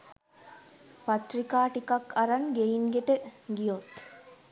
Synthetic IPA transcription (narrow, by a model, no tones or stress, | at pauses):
pɐt̪rikaːʈikakʰːɐɾaŋɡeiŋɡeʈəɡijot̪